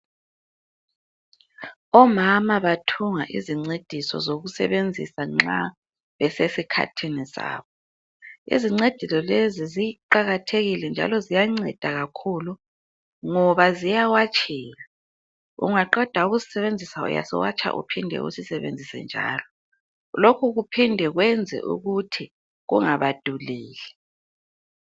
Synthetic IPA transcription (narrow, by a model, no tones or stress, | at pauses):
ɔmamaβatʰuŋaʔiziŋ͡ǀed̥ʱisɔ̰zoɣusɛ̰βend͡zʱisaŋ͡ǁa | βɛsesikʰa̰tʰinisa̰ːβɔ | ḭziŋ͡ǀed̥ʱisɔleziziǃaɣatʰeɣilɛnd͡ʒʱa̰lɔzijaŋ͡ǀɛ̰d̥ʱaɣakʰulu | ŋɔβazijawat͡ʃʰʼiːɣa | ṵŋaǃɔd̥ʱauɣusi̥sɛβend͡zʱisaṵja̰sḭwa̰t͡ʃʰʼa̰ʔṵpʰindʱɛ̰ṵsisɛβḛnd͡zʱisɛ̰nd͡ʒʱa̰ːlɔ | lokʰuɣupʰindʱɛɣwɛnd͡zʱɛ̰ʔṵɣutʰi | ɣṵŋaβad̥ʱuliːlɛ